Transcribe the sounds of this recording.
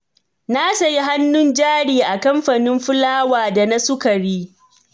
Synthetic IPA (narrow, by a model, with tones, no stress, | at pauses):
na˦sa˨ji˦ɦa˦nːʊ˦nd͡ʒaː˦ɽiː˨ʔa˨kɐ˦mɸa˨nɪ˦mɸʊ˦laː˦waː˨da˨na˦sʊ˦kɐ˨ɽiː˦